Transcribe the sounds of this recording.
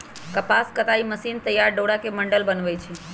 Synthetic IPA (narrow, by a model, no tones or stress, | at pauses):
kəpaskət̪aiməsint̪əjːaɾɖoɽakeməɳɖəlbənʋəjt͡ʃʰe